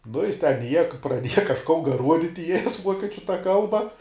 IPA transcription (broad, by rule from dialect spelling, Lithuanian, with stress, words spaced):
nʊ ˈjɪs tʲɛn ɪˈiɛjɛ prɐˈdʲiɛjɛ kɐʃˈkoː ˈruɔdʲɪtʲɪ ɪ jɛs ˈʋuɔkʲiɛt͡ʃʲʊ tɐ ˈkɐlˠbɐ